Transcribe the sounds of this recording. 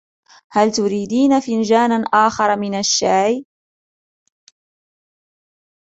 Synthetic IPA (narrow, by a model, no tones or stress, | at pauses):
halt̪ʊɾiːd̪iːnafɪnʒaːnanʔaːxɑɾˤɑmɪnaʃːaːj